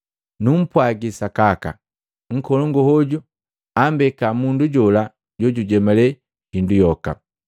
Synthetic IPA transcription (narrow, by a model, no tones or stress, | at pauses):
num̩pwaɡisakaka̰ | ŋ̩kɔlɔŋɡɔhɔɟu | ambɛkamunduɟɔla | ɟɔɟuɟɛmalɛ | hindujɔka̰